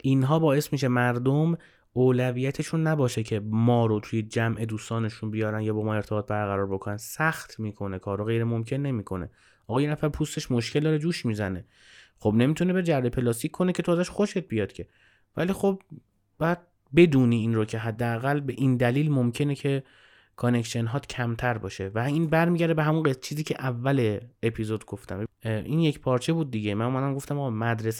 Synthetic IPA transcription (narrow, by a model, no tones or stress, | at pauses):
ʔinɦɒːbɒːje̞smiːʃemæɾd̪om | oːlævijæt̪ʰeʃunːæbɒːʃecʰemɒːɾot̪ʰujed͡ʒæmʔe̞d̪uːst̪ɒːne̞ʃunbijɒːɾænjɒːbɒːmɒːe̞ɾt̪ʰebːt̪̚bæɾɣæɾɒːɾbo̞kʰonænsæxt̪ʰmiːkʰo̞ne̞kʰɒːɾoɣe̞jɾemomcʰe̞nːe̞miːkʰo̞nḛ | ʔɒːɣɒːjenæfæɾpʰust̪e̞ʃmo̞ʃcʰeld̪ɒːɾed͡ʒuːʃmiːzæne̞ | xo̞bne̞miːt̪ʰunebed͡ʒæɾbe̞pʰe̞lɒːst̪iːcʰkʰːo̞ne̞cʰe̞t̪ʰoːzæʃxo̞ʃe̞t̪̚bijɒːd̪̥cʰe̞ | væ̰liːxob̚ | bæd̪̥̚ | be̞d̪uːniːiːnrocʰe̞ɦæd̪ːeæɣælbe̞ʔind̪æliːlmomcʰe̞necʰe̞ | kʰone̞kʃenɦɒːt̪cʰæmt̪ʰæɾbɒːʃe̞væiːnbæɾmiːɟæɾd̪eeɦæmunɢet͡ʃʰiːziːcʰeʔævːæleːpʰizod̪ɡo̞ft̪æ̰mʔinjecpʰɒːɾt͡ʃʰebuːd̪̚ːiɟemænomæd̪æmɡo̞ft̪æmɒɣɒmæd̪ɾes